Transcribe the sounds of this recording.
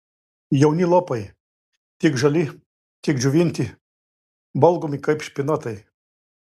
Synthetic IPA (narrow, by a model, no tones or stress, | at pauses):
jɛʊnʲilˠɔpɐj | t̪ʲɪkʒɐlʲi | t̪ʲɪkd͡ʒʲuʋʲinʲt̪ʲi | bɐlˠɡɔmʲikɐɪpʃʲpʲɪnɐt̪ɐj